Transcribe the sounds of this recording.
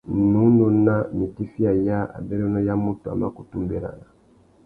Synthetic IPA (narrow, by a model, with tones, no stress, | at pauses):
nu˦no˨na˦ni˨ti˦fi˦a˨ja˦a̰˨bɛ˦ɾɔ˦nɔ˦ja˦mu˦tu˨a̰˨ma˦ko˨tu˦mbe˨la̰˨na˨